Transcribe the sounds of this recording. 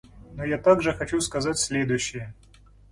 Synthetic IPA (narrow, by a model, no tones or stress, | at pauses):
nojat̪aɡʐɨxɐt͡ɕuskɐzatʲsʲlʲed̪ʊjɕːɪjə